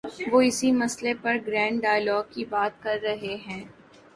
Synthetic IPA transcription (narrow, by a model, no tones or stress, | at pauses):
ʋoːɪsimɐslepɐɾɡɾɛ̃ːɳɖɖaːjəlɔːɡ̚kibaːt̪̚kɐɾːɐɦeɦɛ̃ː